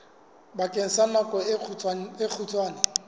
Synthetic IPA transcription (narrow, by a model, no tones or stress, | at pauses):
bakʼen̩samakʼɔek͡xʰutʰʼwaːna